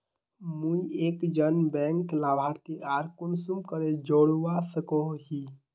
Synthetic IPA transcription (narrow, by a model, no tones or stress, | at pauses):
mũieːkd͡ʒənbɛŋklabʱaɾt̪iaɾkunsumkəɾed͡ʒoɽuwasəkoɦi